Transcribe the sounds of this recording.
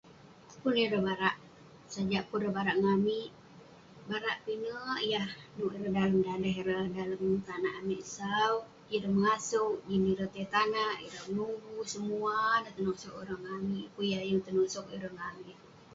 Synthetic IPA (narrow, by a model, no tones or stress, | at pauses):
puniɾəhbaɾaʔ | sad͡ʒaʔpuɾəbaɾaʔŋamiʔ | baɾaʔpinəjahnuʔiɾəhdaləmdaləɦiɾədaləmt̪anaʔamiʔsau | iɾəməŋasʊʔd͡ʒiniɾət̪ht̪anaʔiɾəmənuɡusəmuanat̪ənoʔsokiɾəŋːamiʔpujahjəŋt̪ənuʔsok̚iɾəhŋamiʔ